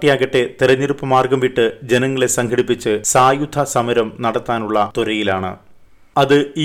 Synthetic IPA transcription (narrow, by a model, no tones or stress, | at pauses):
ʈːijaːɣɐʈːe̞t̪iɾɐɲːirupːɐmaːrɡɐmʋiʈːɨd͡ʑenɐŋːɐɭe̞sɐŋkʰɐɽipːit͡ɕːɨsaːjud̪ʱɐsɐmɐɾɐmnɐɽɐt̪ːaːnuɭːɐt̪uɾɐjilaːɳɨ̰ | ɐðɨiː